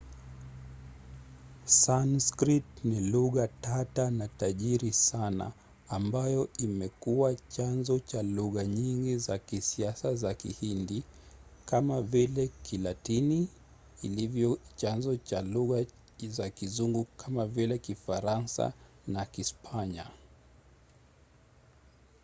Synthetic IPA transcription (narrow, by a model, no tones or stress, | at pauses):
sanskɾit̚niluɣatatanataʄiɾisana̰ː | mbajɔimɛkuat͡ʃanzɔt͡ʃaluɣaɲiŋɡizakisiasazakḭhindi | kamavilɛkʰilatiniː | livjɔt͡ʃanzɔt͡ʃaluɣa | zakizuŋɡukʰamavilɛkifaɾansa̰ | nakispʰaɲa